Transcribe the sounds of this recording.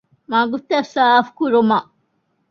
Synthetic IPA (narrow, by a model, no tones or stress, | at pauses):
maːɡut̪ːɐsaːfkuɾumɐʔ